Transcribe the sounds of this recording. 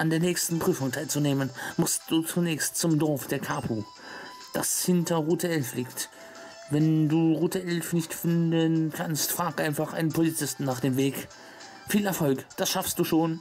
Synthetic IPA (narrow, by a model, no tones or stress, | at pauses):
ʔandeːɐnɛːçstn̩pʁ̥yːfʊŋtʰaɪlt͡suneːmənmʊstd̥uːt͡sunɛːçstt͡sʊmdɔɐfd̥eːɐkʰaːpʰu | d̥a̰shɪntʰɐʁuːtəɛlfliːkt | vɛnduːʁuːtəʔɛlfnɪçtfɪndənkʰanstfʁ̥aːɡʔaɪnfaχʔa̰ɪnənpʰolit͡sɪstn̩naːχd̥eːmveːk | fiːlɛɐfɔlkd̥asʃafstd̥uːʃoːn